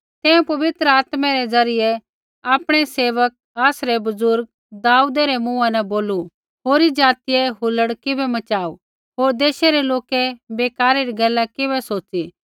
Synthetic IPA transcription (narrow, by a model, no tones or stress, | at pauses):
t̪ɛ̃ːũpɐʋɪt̪ɾəaːt̪mɛɾed͡zɐɾɪjɛ | aːpɽ̃ɛseːʋək̚aːsɾɛbɐzʊɾɡ̚ | d̪aːud̪ɛɾemũːãnɛboːlu | ɦoːɾid͡ʒaːt̪ɪjeɦʊləɽkɪbɛmɐt͡ʃaːu | ɦoːɾd̪eːʃeɾeloːkɛbeːkaːɾeɾiɡɛːlːɛkɪβɛsoːiː